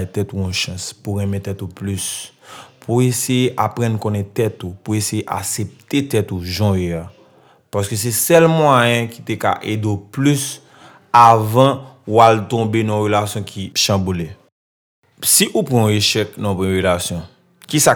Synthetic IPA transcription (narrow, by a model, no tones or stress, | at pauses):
t̪ɛt̪uɔ̃ʃʌ̃spuɣɛ̃mɛ̃t̪ɛt̪uplys | pʰuesejeʔapɣãnkõnɛt̪ɛt̪upuesejeʔa̰sep̚t̪et̪ɛt̪uʒɔ̃jea | pas̬køs̬ɛsɛlmwajɛ̃ki̥t̪eka̰ʔedoplys | avʌ̃walt̪ɔ̃benãɔ̃ɣelasjɔ̃kʰiʃãbule | siʔupɣãeʃɛknãpɣɛ̃ɣelasjɔ̃ | kisa